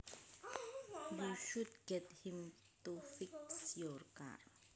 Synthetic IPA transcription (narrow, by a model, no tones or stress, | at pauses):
juʃudɡɛthɪ̃m | tofɪksjɔɾka̰ɾ